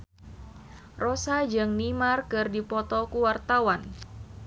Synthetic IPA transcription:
rosad͡ʒɨŋnimarkɨrdipɔt̪ɔkuwart̪awan

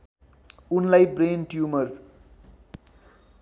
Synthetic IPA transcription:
unlajbrenʈjumʌr

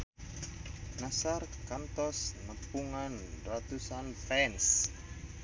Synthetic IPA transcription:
nasarkant̪ɔsnəpuŋanrat̪usanfɛns

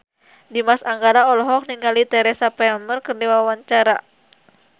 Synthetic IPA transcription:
dimasaŋɡaɾaɔlɔɦɔk̚niŋalit̪ɛɾɛsapɛɔnmərkərdiwawaɲt͡ʃaɾa

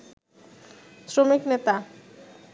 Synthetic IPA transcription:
sɾomiknet̪a

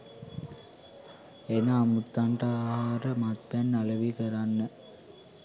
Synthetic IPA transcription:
enaːmut̪ːaɳʈaaːɦaːɾəmat̪pænːaləʋikəɾanːə

